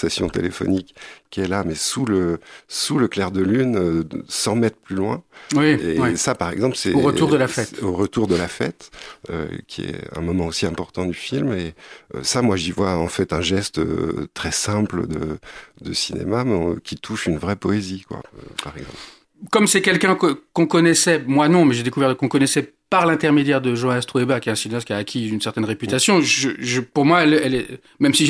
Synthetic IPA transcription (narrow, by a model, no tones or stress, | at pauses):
sasjɔ̰̃t̪elefɔ̰nikːiɛlamɛsuləsuləklɛʁd̪əlynøsɑ̃mɛt̪χplylwɛ̃wiesapaʁɛɡzɑ̃plsɛʁətuʁd̪əlafɛt̪oʁət̪uʁd̪əlafɛt̪ø̰kʲʰiɛ̰ɛ̰̃mɔmɑ̃osiɛ̃pɔʁt̪ɑ̃d̪yfilmeø̰samwaʒivwaɑ̃fɛt̪ɛ̃ʒɛst̪ø̰t̪χɛsɛ̃pləd̪ə̰d̪əsinḛmamɛ̃kʲit̪ʰuʃynvʁɛpɔezikwa̰paʁɛɡzɑ̃pl | kɔmsɛkʲɛlkʲɛ̃kəkɔ̃kɔnɛsɛmwanɔ̃mɛʒed̪ekuvɛʁd̪əkɔ̃kɔnɛsɛ | paʁlɛ̃t̪ɛʁmed̪jɛʁd̪əʒɑ̃ast̪χoebakʲjɛt̪ɛ̃sineast̪kʲiaːkʲʰiynsɛʁt̪ɛnʁepyt̪asjɔ̃ʒʒəʒəpuʁmwaɛlɛlɛ | mɛmsiʒ